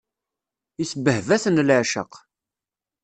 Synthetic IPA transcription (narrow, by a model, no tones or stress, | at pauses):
isəbəhvæθənlʕʃə̰q